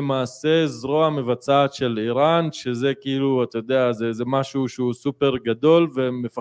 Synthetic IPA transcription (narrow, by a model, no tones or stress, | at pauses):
maːse̞zʁoame̞vat͡sat̪ʃe̞liʁanʃeze̞kiiluat̪ajod̪eazezemaʃuʃeusupe̞ʁɡad̪o̞lve̞mefa